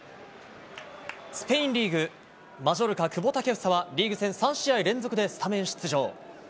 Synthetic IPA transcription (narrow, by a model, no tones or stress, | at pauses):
sɨ̥pe̞ĩnɾʲiːɡɯ̟ | maʑo̞ɾɯ̟kakɯ̟bo̞t̪ake̞ɯ̟̥saβaɾʲiːɡɯ̟sẽ̞ɰ̃sãɰ̃ɕiaiɾẽ̞nd͡zo̞kɯ̟d̪e̞sɨ̥t̪amẽ̞ɰ̃ɕi̥t͡sɨʑo̞ː